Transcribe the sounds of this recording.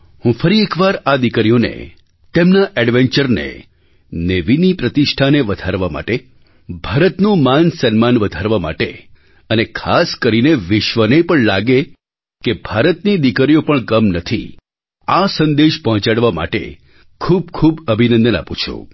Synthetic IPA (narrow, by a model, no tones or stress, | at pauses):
ɦũfəɾiekʋaɾad̪ikɾijonḛ | t̪emnaʔɛɖʋeɲt͡ʃəɾnḛ | neʋinipɾət̪iʃʈʰaneʋəd̪ʱaɾʋama̰ʈe | bʱaɾət̪nũmansənmanʋəd̪ʱaɾʋama̰ʈḛ | ənekʰaskəɾineʋɪʃʋənepəɳlaɡe | kebʱaɾət̪nid̪ikəɾijopəɳkəmnət̪ʰḭ | asə̃nd̪eʃpəɦɔ̃t͡ʃaɽʋama̰ʈḛ | kʰub̚kʰubəbʱinə̃nd̪əna̰pũt͡ʃʰṵ̃